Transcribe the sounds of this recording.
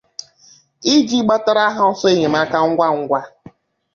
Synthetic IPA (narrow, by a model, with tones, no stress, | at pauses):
i˦d͡ʒi˦ɡ͡ba˦ta˦ɾa˦ɦa˦ɔ˦sɔ˦e˦ɲe˨m˦a˦ka˦ŋ̩˦ɡʷa˦˨ŋ̩˦ɡʷa˦